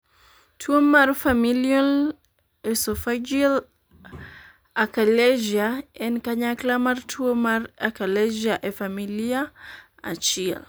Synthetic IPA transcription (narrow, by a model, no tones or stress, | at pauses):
tʰuomaɾfamilial | esɔfad͡ʒil | akalɛʒiaɛnkaɲaklamaɾtʰuomaɾakaleʒiaʔefamilia | a̰t͡ʃia̰l